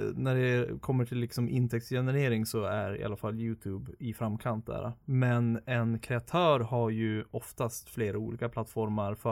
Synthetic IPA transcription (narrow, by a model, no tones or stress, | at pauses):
næɖɛkʰɔmːəʈʰɪlːɪksɔmʔɪnt̪ʰɛk̚t̪jɛnɛɾeːɾɪŋsɔæɾɪ̰ʔa̰lːafalːjʉːt̪ʰʉːbɪfɾamːkʰant̪̚d̪æ̰ːɾa̰mɛnɛnkʰɾɛat̪ʰœːɾhaɾjɵɔft̪ast̪fleːɾauːlḭːkaplat̪ːfɔɾmaɾfœ